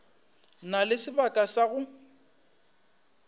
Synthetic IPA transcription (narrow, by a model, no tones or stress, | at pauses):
nalɪsɪbakʼasaɣʊ